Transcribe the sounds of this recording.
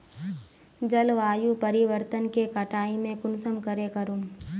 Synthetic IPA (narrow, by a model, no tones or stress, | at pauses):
d͡ʒɐlʋaːjupɐɾɪʋəɾt̪ənkekɐʈʰaːimẽkʊnsəmkəɾekɐɾuːm